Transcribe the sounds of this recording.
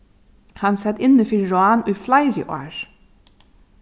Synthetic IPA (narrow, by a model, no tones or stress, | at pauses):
hɑnsɛd̪ɪnəfɪlɹʊɑːnʉːflɑɪɾɪ̰ʔo̰ːɹ